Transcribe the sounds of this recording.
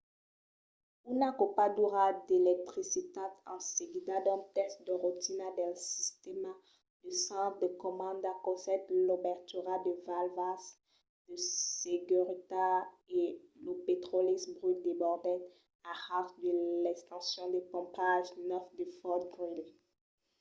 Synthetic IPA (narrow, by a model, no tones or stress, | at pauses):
unakopad̪uʁad̪elɛk̚t̪χisit̪at̪ɑ̃seɡid̪ad̪ɔ̃t̪ɛsd̪əʁut̪inad̪ɛlsi̥st̪ema | d̪̥əsɑ̃d̪əkɔmɑ̃nd̪akɔsɛt̪lobɛʁt̪yʁad̪əvalvas | d̪̥əseɡyʁit̪a | elopet̪χolisbʁyt̪d̪ebɔʁd̪ɛt | ahat̪d̪əlɛkst̪ɑ̃sjɔ̃d̪epɔ̃paʒnœfd̪əfɔt̪̚bʁyle